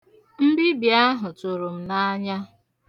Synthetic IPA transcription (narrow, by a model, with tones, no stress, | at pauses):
m̩˦bi˦bi˨a˦ɦʊ˨tʊ˨ɾu˨m̩˨na˦ɲa˦